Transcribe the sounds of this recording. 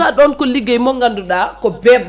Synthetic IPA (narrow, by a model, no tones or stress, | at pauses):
aɗɔnkɔliɡajmɔŋɡanduɗakɔbɛb